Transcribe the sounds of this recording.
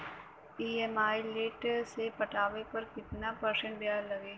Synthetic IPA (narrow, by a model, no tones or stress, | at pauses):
iːemaːileːʈsepɐʈaːʋepɐɾkɪt̪napɐɾʃə̃ɳʈbjaːllɐɡeː